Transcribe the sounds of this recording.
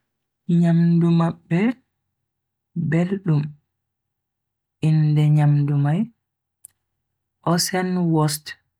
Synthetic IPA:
ɲamdumabːɛ | belɗum | ʔindɛɲamdumaj | ʔɔsɛnwɔst

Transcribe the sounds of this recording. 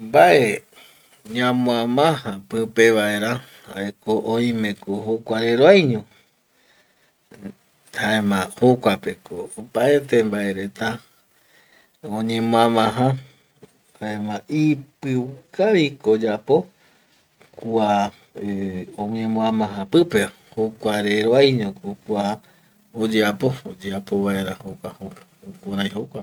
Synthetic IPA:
mbaʔe | ɲãmõãmãhãpɨ̃peβaeɾa | a̰ekoʔõj̃mẽ̞kohokʷaɾeɾoajɲõ | haemãhokʷapekoopaet̪embae̞ɾe̞t̪a | õɲẽmõãmãɦã | haemãʔipɨwkaβikod͡ʒapo̞ | kua | õɲẽmõãmãɦãpɨpe | hokʷaɾeɾoajɲõkokua | od͡ʒeapo̞od͡ʒeapoβaeɾahokʷaho | okuɾãj̃ɦokʷa

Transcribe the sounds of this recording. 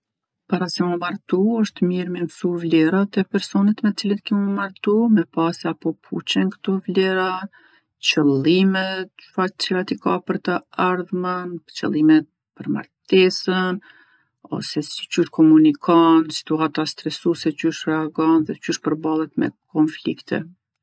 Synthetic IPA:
paɾasɛmumaɾt̪uəʃt̪miɾmɛmsuvlɛɾat̪ɛpɛɾsɔnət̪mɛt͡silənkimumaɾt̪umɛpasɛapɔpʰṵt͡ɕɛnkə̥t̪ɔvlɛɾa | t͡ʃəlˠimɛt̪fat͡sɛɾat̪ikapəɾt̪əaɾðmənt͡ʃə̰lˠimɛt̪̚ | pəɾma̰ɾt̪ɛsən | ɔ̰sɛsi̥t͡ʃyʃkɔmunikʰɔnsi̥t̪uat̪ast̪ɾɛsusɛt͡ʃyʃɾɛaɡɔnðɛt͡ʃyʃpəɾbalˠɛt̪mɛ̰kɔnflikt̪ʰɛ̰

